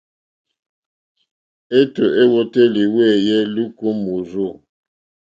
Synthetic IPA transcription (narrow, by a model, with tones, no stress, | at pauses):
e˦to˨ʔe˦wo˦te˦li˨we˦˨je˦lu˦ko˦mu˨zo˦˨